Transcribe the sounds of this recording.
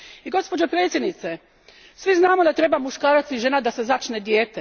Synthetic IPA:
iɡo̞spo̞d͡ʒopɾet̪sʲjed̪nit̪se̞ | sʋiznaːmod̪at̪ɾe̞bamuʃkaːɾat̪siʒe̞nad̪asezat͡ʃned̪jeːt̪e

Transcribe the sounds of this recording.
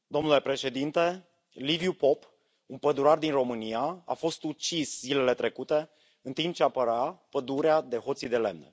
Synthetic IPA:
d̪o̞mnule̞pɾe̞ʃe̞d̪int̪e̞ | livijupo̞p | unpəd̪uɾard̪inro̞mɨniaa̰fo̞st̪ut͡ʃiszile̞le̞t̪ɾe̞kut̪e̞ | ɨnt̪imp̚t͡ʃeapəɾapəd̪uɾead̪e̞ɦo̞t̪sid̪e̞le̞mnḛ

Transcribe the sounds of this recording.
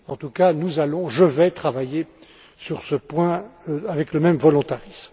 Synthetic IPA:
ɑ̃t̪ukanuzalɔ̃ʒəvɛt̪χavaje | syʁsəpwɛ̃avɛkləmɛmvɔlɔ̃t̪aʁism

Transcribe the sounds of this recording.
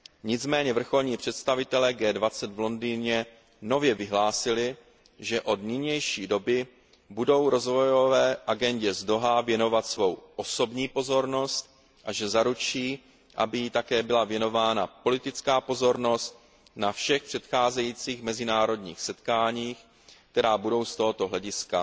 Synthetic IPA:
ɲɪd͡zmɛːɲɛvr̩xo̞lɲiːpr̝̥ɛt̪st̪avɪt̪ɛlɛːɡɛːdvat͡sɛd̪vlo̞ndiːɲɛ | no̞vjɛvɪɦlaːsɪlɪ | ʒɛʔo̞d̪nɪɲɛjʃiːdo̞bɪ | budo̞wɾo̞zvo̞jovɛːʔaɡɛɲɟɛzdo̞ɦavjɛno̞vat̪svo̞wʔo̞so̞bɲiːpo̞zo̞ɾno̞st̪̚ | ʔaʒɛzaɾut͡ʃiː | ʔa̰bɪjit̪akɛːbɪlavjɛno̞vaːnapo̞lɪt̪ɪt͡skaːpo̞zo̞ɾno̞st̪̚ | nafʃɛxpr̝̥ɛt̪xaːzɛjiːt͡siːxmɛzɪnaːɾo̞dɲḭːxsɛt̪kaːɲiːx | k̚t̪ɛɾaːbudo̞wst̪o̞ɦo̞t̪o̞ɦlɛɟɪska

